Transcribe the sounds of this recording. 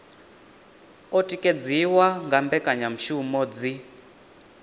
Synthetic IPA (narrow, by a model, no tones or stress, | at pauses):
ɔtʼikʼed͡ziwaŋɡambɛkʼaɲam̩ʃumɔd͡zi